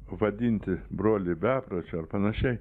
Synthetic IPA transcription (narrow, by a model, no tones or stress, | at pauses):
ʋɐd̪ʲinʲt̪ʲɪbɾoːlʲɪbʲæːpɾɐt͡ʃʲʊɐrpɐnɐʃʲɛɪ